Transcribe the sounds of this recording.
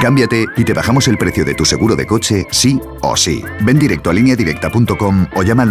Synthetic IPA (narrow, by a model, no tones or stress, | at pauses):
kambjat̪e̞it̪e̞βaxamo̞se̞lpɾe̞θjo̞ðe̞t̪use̞ɣ̞uɾo̞ðe̞̰ko̞t͡ʃe̞si | o̞̰sḭ | be̞nd̪iɾe̞k̚t̪oalinjaðiɾe̞k̚t̪apunt̪o̞ko̞moʎamal